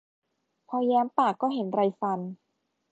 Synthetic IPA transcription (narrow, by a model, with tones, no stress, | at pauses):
pʰɔː˧jɛː˦˥mpaː˨˩kːɔː˥˩ɦe˩˦nɾa˧jfa˧n